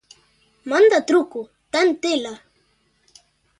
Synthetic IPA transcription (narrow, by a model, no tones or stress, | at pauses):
mand̪at̪ɾʊkʊ | t̪ant̪ɪla